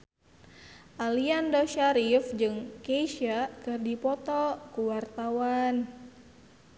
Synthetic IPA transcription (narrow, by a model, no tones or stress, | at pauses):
ʔaliandɔʃaɾifd͡ʒɨŋkeʃakɨrdipɔt̪ɔkuwart̪awan